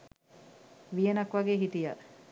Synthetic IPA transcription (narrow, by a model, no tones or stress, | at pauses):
ʋijenɐkʋɐɡeːɦit̪ijɐ